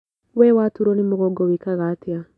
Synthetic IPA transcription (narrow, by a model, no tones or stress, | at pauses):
wɛwatuɾɔnimʊɣɔɡɔwikaɣatia